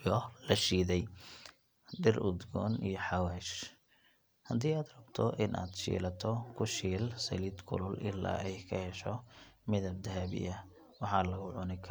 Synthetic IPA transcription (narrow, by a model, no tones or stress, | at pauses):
jɔlɐʃiːðɛj | ɖɪrʊd̪ɡɔ̰ːnḭjɞħɑwɛːʃ | hɐd̪iːaːd̪rɐbt̪ʰɔʔɪnʔa̰ːd̪ʃḭːlɐt̪ʰɔkʰʊʃiːlsɐ̰lid̪kʰʊ̰lʊlʔɪ̰lːa̰ːʔɛjkʰɐhɛʃɔmɪðɐb̚d̪ɐɦaβɪ̰jɐ | wɑħɑːlɐɣʊʕʊnɪkʰɐ